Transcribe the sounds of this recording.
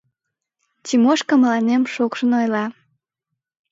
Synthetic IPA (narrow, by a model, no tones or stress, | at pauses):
timoʃkəməlɑnemʃokʃə̆nojlɑ